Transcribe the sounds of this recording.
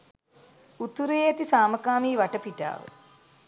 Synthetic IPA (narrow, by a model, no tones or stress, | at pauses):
ut̪uɾejːat̪isaːməkaːmiːʋaʈəpiʈa̰ːʋə̰